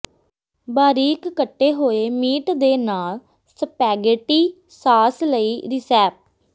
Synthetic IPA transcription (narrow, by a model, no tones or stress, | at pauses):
baːɾiːkːəʈːeːɦoːeːmiːʈd̪eːnaːl | səpɛːɡəʈiː | saːsləiːɾɪsɛːp̚